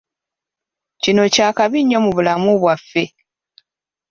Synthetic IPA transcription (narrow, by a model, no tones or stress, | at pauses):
cino̞caːkaβiɲːo̞muβulamuβwafːe̞